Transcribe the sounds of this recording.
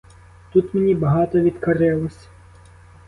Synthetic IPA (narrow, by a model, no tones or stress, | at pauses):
t̪ut̪menʲibɐɦɑt̪ɔʋʲid̪kɐɾɪlˠɔsʲ